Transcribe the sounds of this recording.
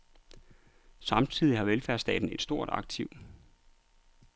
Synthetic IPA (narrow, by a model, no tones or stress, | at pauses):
sɑ̈mt͡sʰið̞̰ˠihɑ̈ʋelfæɐsd̥ɛ̰ːd̥n̩e̝d̥sd̥o̝ɐ̰ɾ̥ɑ̈ɡ̥̚t͡sʰiʊ̰